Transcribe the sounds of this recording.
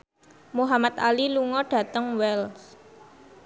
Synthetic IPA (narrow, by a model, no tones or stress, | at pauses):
muɦamat̪aliluŋɔɖ̥ä̤t̪əŋwɛls